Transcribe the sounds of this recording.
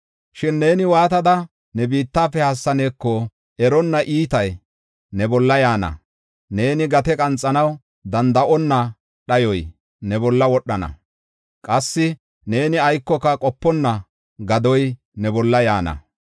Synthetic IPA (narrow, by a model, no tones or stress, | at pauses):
ʃɪnːe̞ːnɪwaːt̪ɐd̪ɐ | nɛbiːt̪ːaːfɛhɐsːɐne̞ːkːɔ | ʔɛɾɔnːɐʔiːt̪ɐj | nɛbɔlːɐjaːnɐ̰ | ne̞ːnɪɡɐt̪ɛkʼɐnt͡sʼːɐnɐw | d̪ɐnd̪ɐʔɔnːɐ | ɗɐjɔj | nɛbɔlːɐwɔɗːɐnɐ̰ | kʼɐsːɪ | ne̞ːnɪɐjkːɔkːɐkʼɔpːɔnːɐ | ɡɐd̪ɔj | nɛbɔlːɐjaːnɐ̰